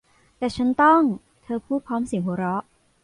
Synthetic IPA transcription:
t̪ɛː˨˩t͡ɕʰa˦˥nt̪ɔ˥˩ŋ | t̪ʰɤː˧pʰuː˥˩pʰɔː˦˥msi˨˩˦ŋɦuː˨˩˦ɾɔ˦˥ʔ

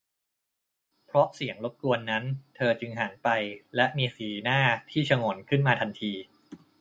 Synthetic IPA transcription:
pʰɾɔ˦˥ʔsi˨˩˦əŋlo˦˥t̪̚ku˧ənːa˦˥nt̪ʰɤː˧t͡ɕɯ˧ŋɦaː˩˦npa˧jlɛ˦˥ʔmiː˧siː˨˩naː˥˩t̪ʰiː˥˩t͡ɕʰa˧ŋo˩˦nkʰɯ˥˩nmaː˧t̪ʰa˧nt̪ʰiː˧

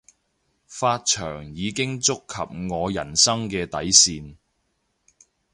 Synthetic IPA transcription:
faː˧t̚t͡ʃʰœ̰ː˨˩ŋjiː˨˧kɪ˥ŋt͡sʊ˥kʰːɐ̰˨p̚ŋɔː˨˧jɐ̰˨˩nsɐ˥ŋkɛː˧t̪ɐ˨˥jsiː˧n

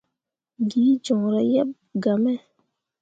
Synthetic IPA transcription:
ɡiː˨˦d͡ʒɔ̃˨ɾɛ˨jɛ˦p̚ | ɡa˨mɛ˦

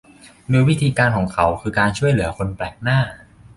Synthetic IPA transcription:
nuː˧wi˦˥t̪ʰiː˧kaː˧nkʰɔː˩˦ŋkʰa˩˦wkʰɯː˧kaː˧nt͡ɕʰu˥˩əjlɯ˩˦ɐkʰo˧nplɛː˨˩k̚naː˥˩

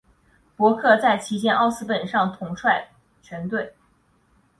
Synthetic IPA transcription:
pwɔ˧˥kʰɤ˥˧t͡sa˥˩ɪt͡ɕʰi˧˥t͡ɕjɛ˥nʔɑ˥˧ʊsɹ̩˥pə˨˩nʂɑ˥˩ŋt̪ʰʊ˧˥ŋʈ͡ʂʰwa˥˧˩ɪ | t͡ɕʰɥɛ˧˥nt̪we˥˩ɪ

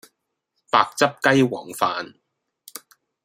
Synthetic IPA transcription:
paː˨˧k̚t͡sɐ˥p̚kɐ˥jwɔː˨˩ŋfaː˧n

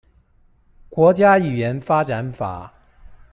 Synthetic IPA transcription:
kwɔ˧˥t͡ɕja˥y˨˩jɛ˨˧˥nfa˥ʈ͡ʂa˨˧˥nfa̰˨˩˦

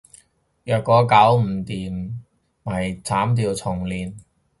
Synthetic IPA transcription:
jœː˨t̚kɔː˨˧kɐ˨˥wm̩˨˩t̪iː˨m | mɐ˨˩jt͡sʰaː˨˥mt̪iː˧wt͡sʰʊ˨˩ŋliː˨˩n

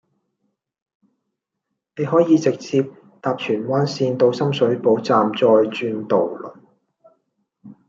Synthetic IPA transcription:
ne˨˧jɦɔː˨˥jiː˨˧t͡sɪ˨k̚t͡sʰiː˧p̚ | t̪aː˨p̚t͡ʃʰyː˨˩nwaː˥nsiː˧nt̪o˧wsɐ˥msɵ˨˥ɥpo˨˥wt͡saː˨mt͡sɔː˧jt͡ʃyː˧nt̪o˨wlɵ̰˨˩n

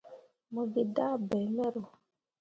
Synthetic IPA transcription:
mo˨ɡi˨da˦bɛ˨˦mɛ˦ɾo˨

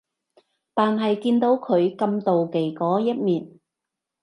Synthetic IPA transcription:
t̪aː˨nɦɐ˨jkiː˧nt̪o˨˥wkʰɵ˨˧ɥkɐ˧mt̪o˨wke˨˩jkɔː˨˥jɐ˥t̚miː˨˩n

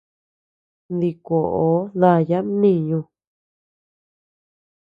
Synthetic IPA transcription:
nd̪i˧ko˨ʔo˨˦ða˧˨ja˦nĩ˦˧ɲũ˧

